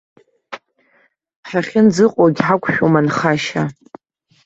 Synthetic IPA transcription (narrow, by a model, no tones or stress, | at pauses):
ħaχʲɪnd͡zɨqʼoɡʲħakʷʰʼʃᶣomanχaʃa